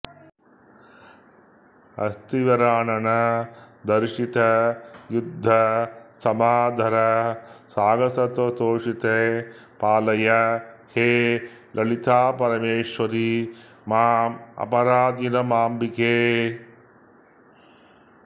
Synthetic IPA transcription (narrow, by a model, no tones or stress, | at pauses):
ɐ̰st̪iʋɐɾaːnɐnɐd̪ɐɾʂit̪ɐjud̪ʱːɐsɐmaːd̪ʱɐɾɐsaːɡɐsɐt̪ɐt̪oːʂit̪epaːlɐjɐheːlʔɐlit̪aːpɐɾɐmeːʂʋɐɾi | maːmɐ̰pɐɾaːd̪inɐmaːmbikeː